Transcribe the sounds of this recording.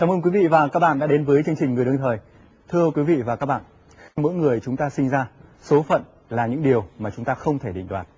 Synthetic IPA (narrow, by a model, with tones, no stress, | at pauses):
kaː˨˦mʔəː˧kwi˨˦vḭ˧˨vaː˨˩kaː˦˥k̚ɓa̰ː˧˨nɗa̰ː˧˥ɗe˨˦nvəː˨˦jt͡ɕɨ˧əŋt͡ɕï˨˩ŋ̟ŋɨ˨˩əjɗɨ˧əŋt̪ʰəː˨˩j | t̪ʰɨ˧əkwi˨˦vḭ˧˨vaː˨˩kaː˦˥k̚ɓa̰ː˧˨ | xa˧mo̰˧˥jŋɨ˨˩əjt͡ɕʊ˨˦ŋ͡mt̪aː˧sï˧ŋ̟zaː˧so˨˦fə̰˧˨n | laː˨˩ɲɨ̰˧˥ŋɗi˨˩əwmaː˨˩t͡ɕʊ˨˦ŋ͡mt̪aː˧xə˧wŋ͡mt̪ʰe˧˩ɗḭ˧˨ŋ̟ɗwaː˨˩t̚